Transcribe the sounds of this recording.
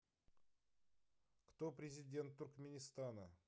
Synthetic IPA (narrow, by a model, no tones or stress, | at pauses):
kt̪opɾʲezʲidʲe̞nt̪ʰːʊɾkmʲenʲist̪anə